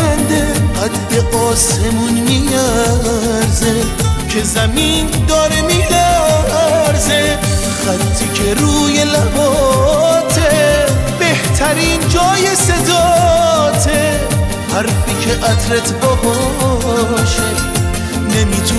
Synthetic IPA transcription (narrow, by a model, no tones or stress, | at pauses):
ænd̪eæd̪ːeʔɒːsemunmiæ | ɾze | kʰe̞zæmiːnd̪ɒːɾemiʔæ | ɾze | χæt̪ʰːikʰeɾuːje̞læbɒːt̪ʰebeht̪ʰæɾiːnd͡ʒɒːjesed̪ɒ | t̪ʰe | hæɾfikʰeʔæd̪ɾet̪ʰbɔːɦɔ | ʃe | nemiːt̪ʰu